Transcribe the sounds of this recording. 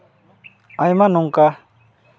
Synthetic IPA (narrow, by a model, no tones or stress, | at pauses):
ajmanuŋka